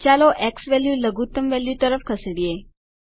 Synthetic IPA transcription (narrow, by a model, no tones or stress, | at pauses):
t͡ʃaloʔeksʋɛljuləɡʱut̪əmʋɛljut̪əɾəfkʰəsɽije